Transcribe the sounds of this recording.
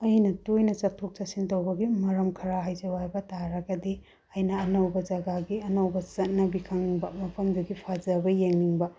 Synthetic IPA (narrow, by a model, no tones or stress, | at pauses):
ɐjnɐtujnɐt͡ʃɐtʰːok̚t͡ʃɐsintɐwbɐɡimɐɾɐmkʰɐɾaɦajd͡ʒɐwajbɐtaɾɐɡɐdi | ɐjnɐːnowbɐd͡ʒɐɡaɡiɐnowbɐt͡ʃɐt̚nɐbikʰaŋniŋbɐmɐpʰɐmduɡipʰad͡ʒɐbɐjeŋniŋbɐ